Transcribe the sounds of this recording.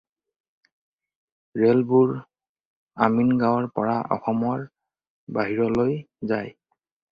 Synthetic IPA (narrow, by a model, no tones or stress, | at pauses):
ɹelbuɹ | aminɡawɔɹpɔɹaʔɔ̰xɔmɔɹ | baɦiɹɔloj | zaj